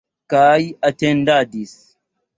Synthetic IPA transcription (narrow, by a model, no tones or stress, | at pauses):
kaːjatɛndadis